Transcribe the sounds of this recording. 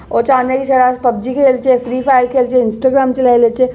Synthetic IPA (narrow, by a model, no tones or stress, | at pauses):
ɔːt͡ʃaːnjakiʃɐɾaːspɐbd͡ʒikʰeːlt͡ʃefɾiːpʰaːjəɾkʰeːlt͡ʃʰeɪnsʈaːɡɾaːmt͡ʃelelet͡ʃe